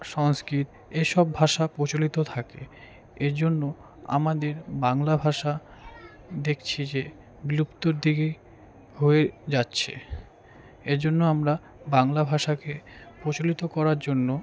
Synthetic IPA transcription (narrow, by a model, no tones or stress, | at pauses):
ʃɔŋskɾit̪ | eʃɔbbʱaʃapɾot͡ɕolit̪ot̪ʰake | eɾd͡ʑonːo | a̰mad̪eɾbaŋlabʱaʃa | d̪ekʰt͡ɕʰid͡ʑe | ɡlupt̪oɾd̪iɡe | hoed͡ʑatːɕʰḛ | ed͡ʑonːoamɾa | baŋlabʱaʃakepɾot͡ɕolit̪okɔɾaɾd͡ʑonːo